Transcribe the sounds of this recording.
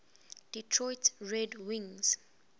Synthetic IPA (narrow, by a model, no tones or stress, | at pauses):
d̥itʰɹɔjtɹɛdwĩŋz̥